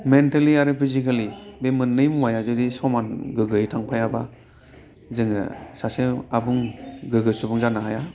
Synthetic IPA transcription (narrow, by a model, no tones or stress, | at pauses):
mentaliaɾɯpʰizikalibemɯnːɯjmuwajazɯdisɔmanɡɯɡɯjtʰaŋpʰajaba | zɯŋɯ̰sasɯabuŋɡɯɡɯsubuŋzanaɦaja